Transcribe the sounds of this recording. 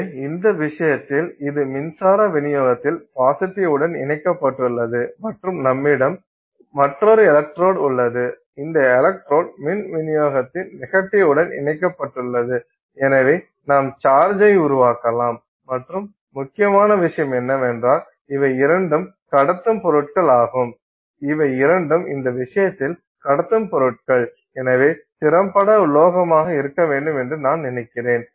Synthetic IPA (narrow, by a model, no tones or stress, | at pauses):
ɪnd̪ɐʋɪʂɐjɐt̪ːɪlɪðɯmɪnsaːɾɐʋɪnɪjoːɣɐt̪ːɪlfaːsɪʈːɪɯɽɐnɪ̰nɐɪkːɐpːɐʈːɯɭːɐðɯmɐʈrɯmnɐmːɪɽɐm | mɐʈrɔɾɯɛlɐk̚ʈɾoːɽʊɭːɐðɯ | ɪnd̪ɐɛlɐk̚ʈɾoːɽmɪnʋɪnɪjoːɣɐt̪ːɪnnɪɣɐʈːɪɯɽɐnɪ̰nɐɪkːɐpːɐʈːɯɭːɐðɯ | ɛnɐʋɐɪ | naːmt͡ʃaːɾd͡ʒɐɪʊɾʊʋaːkɐlaːmː | ɐʈrɯmː | ʊkːɪjɐmaːnɐʋɪʂɐjɐmɛnːɐmɛndraːl | ɪʋɐɪɪɾɐɳɖɯm | kɐɽɐt̪ːɯmpɔɾɯʈ̚kɐɭaːɣɯm | ɪʋɐɪɪɾɐɳɖɯmɪnd̪ɐʋɪʂɐjɐt̪ːɪl | kɐɽɐt̪ːɯmpɔɾɯʈ̚kɐɭ | ɛnɐʋeːt̪ɪɾɐmpːɐɽɐʊlːoːɣɐmaːɣɐɪɾɯkːɐʋeːɳɖɯmɛndrɯnaːnnɪnɐɪkːɪreːn